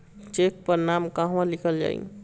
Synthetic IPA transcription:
t͡ʃek̚pəɾnamkaɦʋãlikʰəld͡ʒa̰ḭ

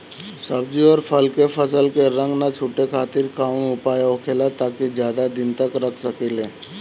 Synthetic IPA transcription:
səb̚d͡ʒiəɾpʰəlkepʰəsəlkeɾə̃ŋɡnat͡ʃʰuːʈekʰaːt̪ɪɾkaːʊnʊpaːjaoːkʰeːlat̪aːkid͡ʒjaːd̪ad̪ɪnt̪əkɾəkʰsəkeleː

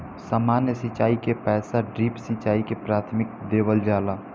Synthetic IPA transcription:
saːmaːnjəsɪt͡ʃaːikepɛːsaɖɾiːpsɪt͡ʃaːikepɾaːt̪ʰmɪk̚d̪eːʋəld͡ʒaːlaː

